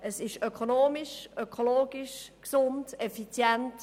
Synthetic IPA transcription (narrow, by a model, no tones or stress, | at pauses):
əsɪʃøkʰonoːmiʃʔøkʰoloːɡ̥iʃksʊntɛfit͡sjɛntt